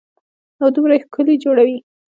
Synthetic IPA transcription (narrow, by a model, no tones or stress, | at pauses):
awd̪umɾajxkəled͡ʒoɽawi